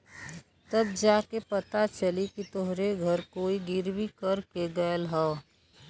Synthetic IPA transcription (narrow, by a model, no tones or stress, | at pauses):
t̪əb̚d͡ʒaːkepət̪at͡ʃəlikit̪ʊɦɾeɡʱɐɾkoːiɡɪɾbʱikəɾkeɡəəlɦɛː